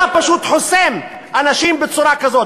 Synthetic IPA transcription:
apaʃut̪ħosem | ʔanaʃimbet͡suɾakazo

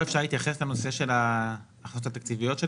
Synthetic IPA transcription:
efʃaʁleit̪jaχe̞sleno̞seʃe̞laː | χot̪at̪akt͡sivijo̞t̪ʃe

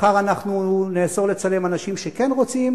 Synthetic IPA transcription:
χaʁanaχnuneːso̞ʁle̞t͡sale̞manaʃimʃe̞ke̞nʁo̞t͡sim

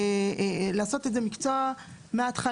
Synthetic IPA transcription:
laːso̞t̪edze̞mikt͡soameat̪χa

